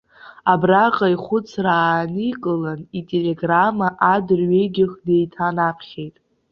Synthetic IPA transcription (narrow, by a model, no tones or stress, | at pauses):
abraqʼaiχʷʊt͡sʰraːnɨkʼɨlanitʼele̞ɡramaʔadɨrɥe̞jɡʲɪχde̞jtʰanapʰχʲe̞jtʼ